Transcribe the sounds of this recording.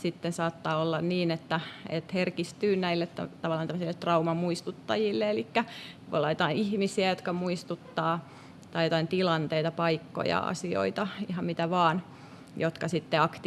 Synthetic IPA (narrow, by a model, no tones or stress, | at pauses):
sit̪ːensɑːt̪ːɑːolːɑnniːnet̪ːæḛt̪herkist̪yːnæilːet̪t̪æ̰t̪ɑʋɑlːˑɑːnt̪æmːəsilːet̪rɑumɑmuist̪ut̪ːɑjilːeelikːæo̰lːɑjot̪ɑiihmisiæjot̪kɑmuist̪ut̪ːɑː | t̪ɑijot̪ɑint̪ilɑnt̪eit̪ɑpɑikːo̰jɑ̰ɑ̰sio̰it̪ɑihɑmmit̪æʋɑːn | jot̪kɑsit̪ːeɑkt̪